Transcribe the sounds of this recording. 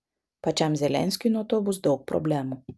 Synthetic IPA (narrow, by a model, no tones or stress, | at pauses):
pat͡ʃamzʲɛlʲɛ̰nʲsʲkinɔt̪ɔbʊsd̪ɔwk̚pɾɔ̰blʲɛmu